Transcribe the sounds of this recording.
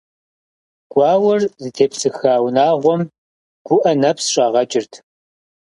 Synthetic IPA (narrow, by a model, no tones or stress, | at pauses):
ɡ̥ʷɑːwɐrzɨtʰeːpsɨxaːwnaːʁʷɔm | ɡ̥ʷʊʔɐnɐpʰsʂʼaːʁɐt͡ʃʼɪrtʰ